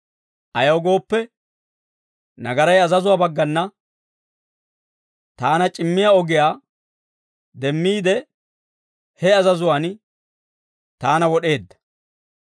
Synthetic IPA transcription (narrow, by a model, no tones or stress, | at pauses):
ʔɐjɐwɡo̞ːpːɛ | nɐɡɐɾɐjɐzɐzʊwaːbɐɡːɐnːɐ | t̪aːnɐt͡ʃʼɪmːɪjaɔɡɪjaː | d̪ɛmːiːd̪ɛ | hɛɐzɐzʊwaːn | t̪aːnɐwɔɗe̞ːd̪ːɐ̥